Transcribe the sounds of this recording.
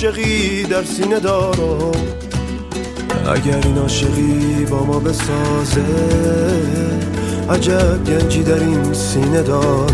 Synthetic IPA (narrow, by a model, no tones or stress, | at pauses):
ʃeɣiːd̪æɾsiːne̞d̪ɒːɾoo | æ̰ɟæɾiːnɒːʃe̞ɣiːbɒːmɒːbe̞sɒːze | æd͡ʒæbɡænd͡ʒiːd̪æɾin | siːne̞d̪ɒːɾ